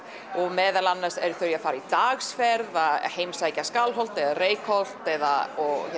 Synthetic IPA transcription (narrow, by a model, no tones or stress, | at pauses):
ɔɣmɛːðalanːasɛɾθʏɾjɛafaːɾait̪aɣsfɛɾðaheːjmsaːjcaskalɦɔwl̥t̪ɛðareːjkʰol̥t̪ɛðaɔɣ